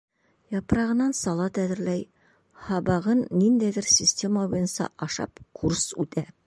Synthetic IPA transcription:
jɑpɾɑʁɤ̆nɑnsɑlˠɑt̪æðɘ̆ɾlæj | hɑbɑʁɤnːind̪æjd̪ɘɾsʲɪsʲtʲe̞məbujɤ̆nsɑ̰ʔɑʃɑ̰pkʰursʉt̪æ

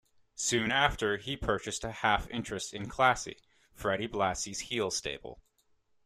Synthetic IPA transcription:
sʉ̃næftə˞ipʰɜ˞t͡ʃɨstɨhæfɪ̃nt͡ʃɹ̥ɨstɨ̃nkʰl̥æsḭ | fɹɛɾiblæsiz̥hilˠsteɪbl̩ˠ

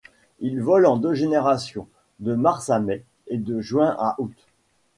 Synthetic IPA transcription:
ilvɔlɑ̃d̪øʒeneʁasjɔ̃ | d̪əmaʁsamɛ | ed̪əʒɥwɛ̃ʔaʔut̪

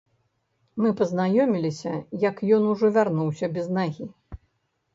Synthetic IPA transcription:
mɨpɐznajɔmʲilʲisʲɐjɐkjɔnuʐɔvʲarnuwsʲɐbʲɛznaɣʲi

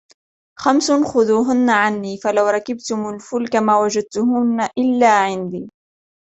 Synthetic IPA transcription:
xamsʊnxʊðuːɦʊnːaʕanːiːfalawɾˤɑkɪbt̪ʊmʊlfʊlkamaːwad͡ʒad̪̚t̪ʊhʊnːaʔɪlːaːʕɪnd̪iː

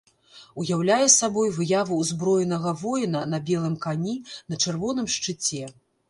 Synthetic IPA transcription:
ujawlʲajɛsabɔjvɨjavuːzbɾɔjɛnɐɣɐvɔjinɐnɐbʲɛlˠɨmkanʲinɐt͡ʂɛrvɔnɨmʂt͡ʂɨt͡sʲɛ

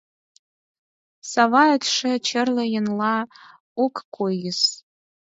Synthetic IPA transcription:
sɑvɑət̪ʂĕt͡ɕə̆rləjə̆nlɑ | okːʰojəs

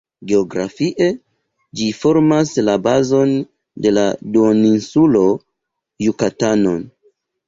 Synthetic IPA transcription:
ɡe̞oɡɾa̰fiʔe̞ | d͡ʒifo̞ɾmaslabazo̞n | de̞la̰doninsulo̞ | jukatano̞n

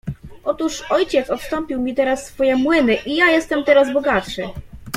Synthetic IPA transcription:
ʔɔt̪uʂɔjt͡ɕɛsɔt̪st̪ɔmpʲiwmʲit̪ɛɾasːfɔjɛmwɘnɘʔijajɛst̪ɛmt̪ɛɾazbɔɡat̪ʂɘ

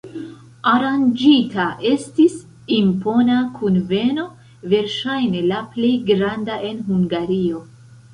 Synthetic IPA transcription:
aɾand͡ʒitaʔe̞stis | impo̞nakʰunve̞no̞ | ve̞ɾʃajne̞laplejɡɾandaʔe̞nɦuŋɡaɾio̞

